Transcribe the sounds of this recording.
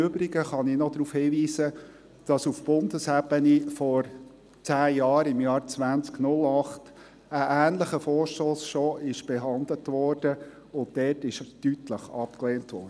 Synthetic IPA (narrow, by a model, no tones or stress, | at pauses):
øbɾɪɡəχɑninɔdɾuːfhiːʋiːsə | d̥ɑsufb̥ʊndəsæbənifɔɾ | t͡sæːjɑːɾɪmjɑːɾt͡sʋænt͡sknʊlɑχt | əʔæːnləχəfɔːʃtoːsʃɔːʔɪʃb̥ɛɦɑnd̪lətʋɔːrd̥ə | ʊndɛtɪʃtytləχɑpklɛːntʋɔ̰ːrdə